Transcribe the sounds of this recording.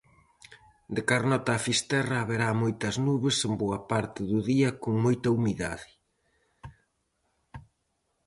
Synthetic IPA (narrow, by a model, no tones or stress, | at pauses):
d̪ekaɾnɔt̪aːfist̪ɛrɐːβeɾamojt̪ɐznuβesemboɐpaɾt̪ɪðuðiɐkoŋmojt̪ɐumiða̰ðɪ